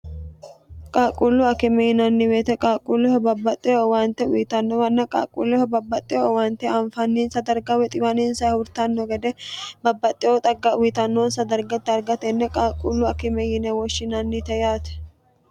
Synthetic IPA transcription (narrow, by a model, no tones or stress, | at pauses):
kʼaːkʼulːʊɐkɪmɛjɪnɐnːɪbeːt̪ɛkʼaːkʼːulːɛhɔbɐbːɐt̪ʼːɪjowaːnt̪ɛʊjɪt̪ɐnːɔwɐnːɐkʼa̰ːkʼːṵlːɛhɔbɐbːɐt̪ʼːɪjowaːnt̪ɛɐnfɐnːiːnsɐd̪ɐɾɡɐwɛt̪ʼɪwɐniːnsɐʊɾt̪ɐnːɔɡɛd̪ɛbɐbːɐt̪ʼːɪjot̪ʼɐɡɐʔʊjɪt̪ɐnːoːnsɐd̪ɐɾɡɐt̪ːɪɐɾɡɐt̪ɛnːɛkʼaːkʼulːʊɐkɪmɛjɪnɛwɔʃːɪnɐnːɪt̪ɛjaːt̪ɛ̥